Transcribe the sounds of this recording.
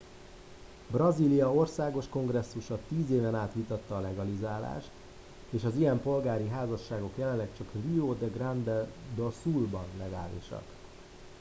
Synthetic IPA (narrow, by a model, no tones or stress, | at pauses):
brɒzilijɒo̞rsaːɡo̞ʃko̞ŋɡrɛsːuʃɒt̪ːiːzeːvɛnaːt̪ʋit̪ɒt̪ːɒːlɛɡɒlizaːla̰ːʃt̪ | eːʃɒzijɛmpo̞lɡaːɾiɦaːzɒʃːaːɡo̞kjɛlɛnlɛkt͡ʃɒkrioːd̪ɛɡrand̪ɛd̪osulbɒnlɛɡaːlḭʃɒ̰k